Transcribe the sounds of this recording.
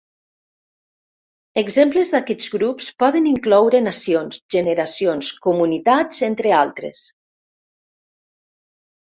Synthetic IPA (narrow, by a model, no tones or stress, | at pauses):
əɡzempləzðakɛd͡zɣɾupspɔðəniŋklɔwɾənasionsʒəneɾasionskumunit̪ad͡zent̪ɾealˠt̪ɾḛs